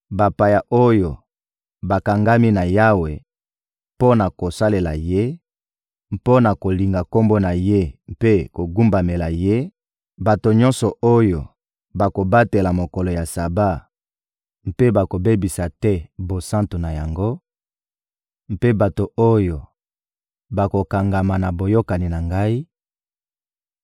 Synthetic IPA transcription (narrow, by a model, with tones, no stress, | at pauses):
ba˨pa˨ja˨ʔo˦jo˨ | ba˨ka˨ŋɡa˦mi˦na˨ja˦we˨ | po˦na˨ko˨sa˦le˨la˨je˦ | mpo˦na˨ko˨li˨ŋɡa˨ko˦mbo˦na˨je˦mpe˦ko˨ɡu˦mba˨me˨la˨je˦ | ba˨to˨ɲɔ̃˦nsɔ˨o˦jo˨ | ba˨ko˨ba˦te˨la˨mo˨ko˨lo˨ja˨sa˨ba˦ | m̩˦pe˦ba˨ko˨be˦bi˨sa˨tɛ˦bo˨sã˦nto˨na˨ja˨ŋɡo˦ | m˦pe˦ba˨to˨o˦jo˨ | ba˨ko˨ka˨ŋɡa˨ma˨na˨bo˨jo˦ka˨ni˨na˨ŋɡa˦i˦